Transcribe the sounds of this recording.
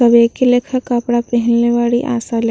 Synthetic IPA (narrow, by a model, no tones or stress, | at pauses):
ɐbeːkeleːkʰəkːəpɽapɛɦɛ̃nleʋaːɽiʔa̰ːsal